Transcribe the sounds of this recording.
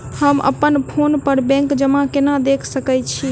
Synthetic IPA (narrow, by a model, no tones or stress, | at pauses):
həmə̰pənpʰonpəɾbɛ̃ŋkd͡ʒəmãkenad̪ekʰsəkət͡ʃʰi